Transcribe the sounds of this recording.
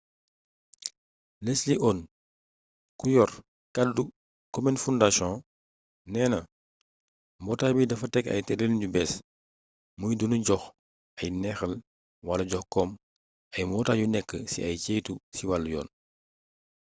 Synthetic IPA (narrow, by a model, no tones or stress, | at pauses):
lesliʔɔːn | kujɔr | kadːu | kɔmɛnfundasɔ̃ː | nɛːnɐ | mbɔtaːbidɐfɐtɛkɐ̰jtɛɾelɲɟubɛs | mujdunuɟɔx | ɐjnɛxɐl | wɐlɐɟɔxkɔːm | ɐjmɔːtaːɟunɛkːəsḭɐjt͡ʃɛːjtusiwaljɔ̰ːn